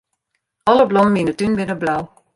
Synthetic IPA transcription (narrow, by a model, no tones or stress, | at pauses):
ɔləblɔməminətynbɪnəblaw